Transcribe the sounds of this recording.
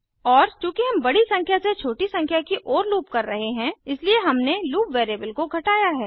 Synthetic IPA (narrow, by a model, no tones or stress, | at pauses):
ɔːɾt͡ʃũːkeɦɐ̃mbɐɽisɐ̃ŋkʰjaset͡ʃʰoːʈisɐ̃ŋkʰjakiʔɔːɾluːpkɐɾːɐɦeɦɛ̃ɪslieɦɐmneluːpʋeːɾeːbəlkoɡʱɐʈaːjaɦɛː